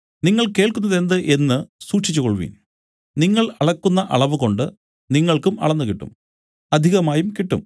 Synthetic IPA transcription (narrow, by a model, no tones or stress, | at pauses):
niŋːɐɭke̞ːɭkunːɐðe̞nd̪ɨʔe̞nːɨsuːʈʂit͡ɕːukoɭʋḭːn | niŋːɐɭɐɭɐkːunːɐʔɐɭɐʋuko̞ɳɖɨ | niŋːɐɭkumɐ̰ɭɐnːukiʈːṵm | ɐd̪ʱiɣɐmaːjumkiʈːṵm